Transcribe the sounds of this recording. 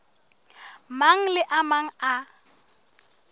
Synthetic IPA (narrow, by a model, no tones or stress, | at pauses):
maŋ̩lɪʔamaŋ̩a